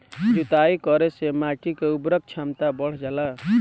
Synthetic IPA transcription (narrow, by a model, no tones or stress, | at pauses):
d͡ʒut̪aikɔɾesemaʈikeubɾək̚t͡ʃʰamt̪abəɽ̤d͡ʒala